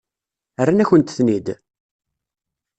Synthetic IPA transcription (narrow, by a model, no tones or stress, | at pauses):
ərːanæçənt̪θnid̪